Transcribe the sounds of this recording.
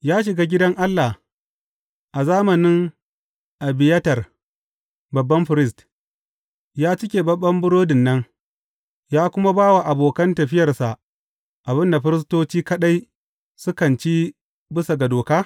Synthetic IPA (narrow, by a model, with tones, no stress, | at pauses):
jaː˦ʃ̬ɪ˨ɡa˦ɡʲɪ˦dɐ˦ŋʔa˦lːa˨ | ʔa˨zaː˦mɐ˨nɪ˦ŋ | ʔa˨bɪ˨jɐ˦tɐ˨r | bɐ˨bːɐ˦mɸɪ˨ɾɪ˦st | jaː˦t͡ʃɪ˦kʲeː˨bɐ˦bːɐ˦mbʊ˦ɽoː˦dɪ˨nːɐ˦ŋ | jaː˦kʷʊ˦ma˦baː˦wa˨ʔa˨boː˨kɐ˦ntɐ˨ɸɪ˦jɐ˨rsa˨ʔ | ʔa˨bɪ˦nda˨ɸɪ˦ɾɪ˦s̬toː˦t͡ʃiː˦kɐ˦ɗa˦j | sʊ˦kɐ˨nt͡ʃiː˦ | bɪ˦sa˨ɡa˨doː˨kaː˦